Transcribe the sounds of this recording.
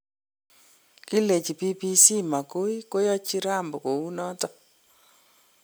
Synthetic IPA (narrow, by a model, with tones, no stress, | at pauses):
ki˦le˨t͡ʃi˨pi˦pi˦si˦ma˨ko˦i˦ko˦ja˦t͡ʃi˦ɾa˦˨mbo˨ko˨u˦nɔ˦tɔ˦